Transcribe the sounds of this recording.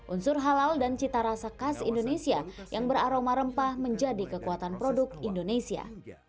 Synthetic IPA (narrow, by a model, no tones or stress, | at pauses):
ʔunsʊrɦalaldant͡ʃit̪aɾasakasḭndonesiajʔaŋbəɾaɾomaɾəmpahməɲd͡ʒadikəkuat̪anpɾodʊk̪̚indonesia̰